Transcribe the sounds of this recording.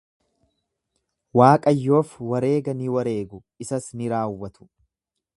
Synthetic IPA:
waːkʼɐjːo̞ːfwɐɾe̞ːɡɐnɪwɐɾe̞ːɡʊ | ɪsɐsnɪɾaːwːɐt̪ʊ̥

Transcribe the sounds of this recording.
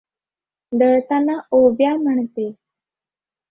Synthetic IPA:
d̪əɭt̪anaobjam̤əɳt̪e

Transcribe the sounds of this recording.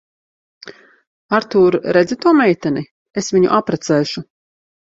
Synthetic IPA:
aɾt̪uːɾɾɛd̪zit̪uɔmɛjt̪ɛni | esviɲṵʔapɾat̪sɛːʃu

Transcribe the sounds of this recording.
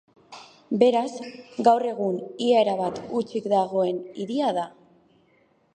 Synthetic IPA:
be̞ɾazɡawre̞ɣ̞uniaeɾaβat̪ut͡ʃikd̪aɣ̞o̞e̞niðiaða

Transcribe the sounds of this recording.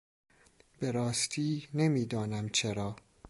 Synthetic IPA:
be̞ɾɒːst̪ʰiːne̞miːd̪ɒːnæmt͡ʃʰe̞ɾɒː

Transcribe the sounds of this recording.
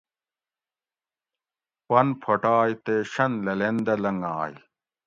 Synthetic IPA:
pɐnpʰɐʈaːjt̪eːɕɐnlɐlend̪ɐlɐŋaːj

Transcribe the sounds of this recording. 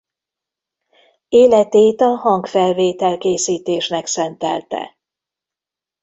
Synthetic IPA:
eːlɛt̪eːt̪ɒɦɒŋkfɛlveːt̪ɛlkeːsiːt̪eːʃnɛksɛnt̪ɛ̰lt̪ɛ̰

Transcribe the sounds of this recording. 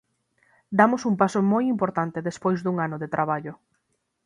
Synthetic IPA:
d̪amʊsumpasomojimpoɾt̪ant̪eðespojzðuŋanoðet̪ɾʔaβaʎʊ

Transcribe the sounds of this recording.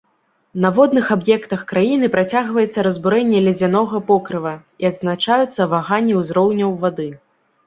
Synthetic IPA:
nɐvɔd̪nɨxabjɛkt̪ɐxkɾajinɨpɾat͡sʲaɣvɐjɛt̪sːɐɾɐzbuɾɛnʲːɛlʲɛd͡zʲanɔɣɐpɔkɾɨvɐ | iɐd̪znat͡ʂajut̪sːɐvaɣanʲːɛwzɾɔwnʲɐwvad̪ɨ

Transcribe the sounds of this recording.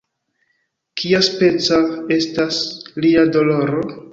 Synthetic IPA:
kʰiaspe̞t͡sae̞stasliado̞lo̞ɾo

